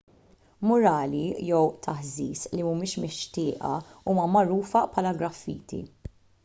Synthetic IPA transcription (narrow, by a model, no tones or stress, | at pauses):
mʊɾɐːlijɛwt̪ʰɐħziːslimumɪːʃmɪʃt̪ɪːʔɐ̰uːmɐmɐɾuːfɐpʰħɐːlɐɡɾɐfːḭːt̪ḭ